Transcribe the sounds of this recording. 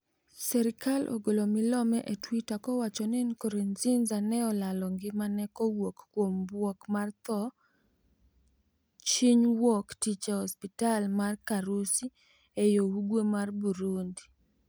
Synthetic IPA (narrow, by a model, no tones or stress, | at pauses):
sɛɾɪkalʔo̰ɡolomɪlɔmɛʔetwitakɔwat͡ʃɔnɪnkoɾenzinzanɛɔlalɔŋɡɪmanɛkɔwokkwombwokmart̪ɔ | t͡ʃiɲwɔktit͡ʃehɔspitalmarkaɾusi | ejouɡwemarbuɾundi